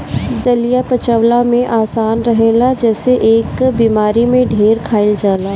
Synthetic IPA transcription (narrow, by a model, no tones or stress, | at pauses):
d̪ɐlijapɐt͡ʃəʋlamẽʔaːsaːnɾɐɦeːlad͡ʒɛːseʔeːkbiːmaːɾimẽɖʱeːɾkʰaːɪld͡ʒaːlaː